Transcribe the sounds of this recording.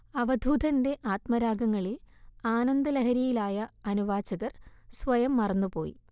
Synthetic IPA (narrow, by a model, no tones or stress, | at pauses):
ɐʋɐd̪ʱuːd̪ʱɐnde̞ʔaːt̪mɐɾaːɡɐŋːɐɭilaːnɐnd̪ɐlɐɦɐɾijilaːjɐɐnuʋaːt͡ɕɐɣɐrsʋɐjɐmːɐrɐnːupo̞̰ːjḭ